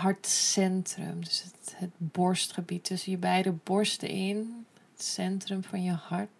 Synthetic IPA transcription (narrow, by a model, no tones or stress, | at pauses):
ɦɑɹtsɛntrə̰mdəsəhətbɔɹstχəbitʰːɵsənjəbɛjdəbɔɹstə̰ɪn | ətsɛntrəmfɑnjəhɑɹt